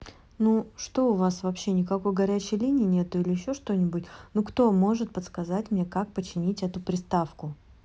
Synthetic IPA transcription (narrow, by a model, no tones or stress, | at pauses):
nuʂt̪o̞ʊvasvɐpɕːe̞nʲɪkɐko̞jɡɐɾʲæt͡ɕɪjlʲinʲɪːnʲe̞t̪ʊilʲɪɪɕːo̞ʂt̪o̞nʲɪbʊtʲnukt̪o̞mo̞ʐɨt̪̚pət̪skɐzatʲmnʲe̞kak̚pət͡ɕːɪnʲitʲɛt̪ʊpɾʲɪst̪afkʊ